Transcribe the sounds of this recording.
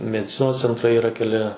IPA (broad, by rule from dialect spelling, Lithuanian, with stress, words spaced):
mʲɛdʲɪˈt͡sʲɪnoːs t͡sʲɛnˈtrɐɪ iːˈrɐ kʲɛˈlʲɪ